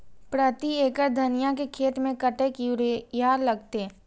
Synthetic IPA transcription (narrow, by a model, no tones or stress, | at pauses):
pɾət̪ieːkəɾd̪ʱɐnɪjakekʰeːt̪mẽkəʈekɾjaːɾlɐɡ̚t̪e